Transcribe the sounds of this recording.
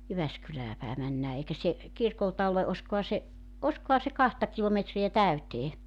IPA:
jyʋæskylæː pæe mænːæː eikæ se kirkoltɑ ole ʔoskohɑ se ʔoskohɑ se kɑhtɑ kilometriæ tæyteː

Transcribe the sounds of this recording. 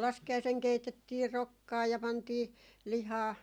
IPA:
lɑskiɑiseŋ keitetːiː rokːɑː jɑ pɑntiː lihɑː

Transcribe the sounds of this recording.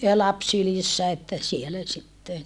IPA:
jɑ lɑps sylisːæ etːæ sielæ sitːen

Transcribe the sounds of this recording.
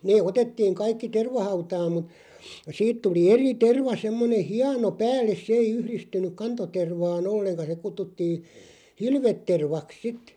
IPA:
neː otetːiːŋ kɑikːi terʋɑhɑutɑːm mut siːt tuli eri terʋɑ semːone hiɑno pæːlːes sĕ ei yhristynˑyk kɑntoterʋɑːn olːeŋkɑ se kutːutːiːn̞ hilʋetːerʋɑk sit

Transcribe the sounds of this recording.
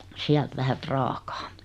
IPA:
siælt ʋæhæ prɑːkɑ̥ː

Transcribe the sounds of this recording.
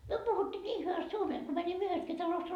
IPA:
myø puhutːiː niː hyʋæst suomeː et ko mænimːø yhestki tɑlost

